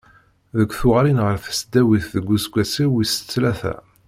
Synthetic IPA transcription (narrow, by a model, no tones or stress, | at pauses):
ðəkʷːθʊʁɾinʁəɾfə̥sd̪æwiθðəɡʷːusɡʷæsiwisə̥t͡sːlæθæ̰